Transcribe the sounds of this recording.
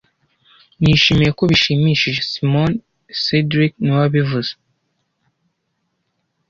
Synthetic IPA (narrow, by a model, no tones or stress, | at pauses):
niʃimijeko̞βiʃimiʃiʒesimon | sedɾikniwaβivuz̥e̥